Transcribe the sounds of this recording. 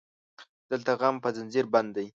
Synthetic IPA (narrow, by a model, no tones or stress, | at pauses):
d̪̥əlt̪aɣampəzɪnziɾband̪ːaj